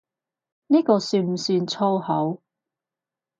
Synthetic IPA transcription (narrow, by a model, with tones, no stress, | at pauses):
niː˥kɔː˧syː˧m̩˨˩syː˧nt͡sʰo˥whɐ˨˥w